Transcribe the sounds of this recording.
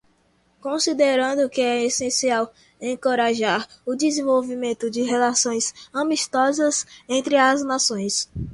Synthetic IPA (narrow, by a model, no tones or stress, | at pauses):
kõsid̪eɾɐ̃nd̪ʊkɪɛesẽsiaw | ẽkoɾaʒaɾʊd̪izẽvowvimẽnt̪ʊd͡ʒɪɦelasõj̃sɐ̃miʃt̪ɔzɐzẽnt̪ɾɪɐznasõj̃s